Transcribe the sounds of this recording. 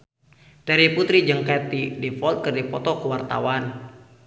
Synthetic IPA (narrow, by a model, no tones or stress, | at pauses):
t̪ɛɾiput̪ɾid͡ʒɨŋkat̪idɛfɔlt̪̚kɨrdipɔt̪ɔkəwart̪a̰wan